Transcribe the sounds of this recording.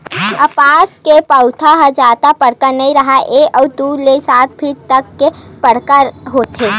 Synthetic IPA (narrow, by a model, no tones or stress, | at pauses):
ɐpaːskepəʊt̪ʰaɦəd͡ʒaːt̪apəɽ̤kəɾnɐɦĩɾɐɦaʔeːɔːd̪ulesaːt̪̚bʰʱit̪əkːepəɽ̤kəɾɦoːt̪eː